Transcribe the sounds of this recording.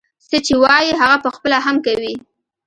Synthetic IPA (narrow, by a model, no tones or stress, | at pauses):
sət͡ʃewɑjiɦaɣapəxpəlaɦamkawi